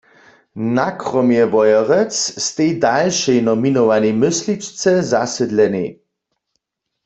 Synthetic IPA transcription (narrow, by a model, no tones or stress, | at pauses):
nakʁɔmjɛʋɔjɔʁɛt͡sst̪ejdalʃɛjnɔminɔʋanimɪslit͡ʃt͡sɛzasɛd̪lɛnḭ